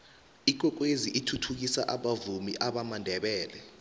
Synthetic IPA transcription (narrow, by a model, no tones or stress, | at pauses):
ik̬wɛk̬weziʔitʰutʰuk̬isa̰ʔaɓavumḭʔaɓamandʱɛɓɛːlɛ